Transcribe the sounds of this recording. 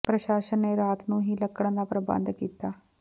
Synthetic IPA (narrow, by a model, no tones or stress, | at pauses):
pɾəʃaːʃənːeːɾaːt̪nũːɦiːləkːəɽ̃d̪aːpɾəbə̰̃nd̪kiːt̪aː